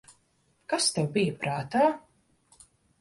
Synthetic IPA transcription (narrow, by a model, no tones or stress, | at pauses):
kast̪ɛwbijəpɾaːt̪aː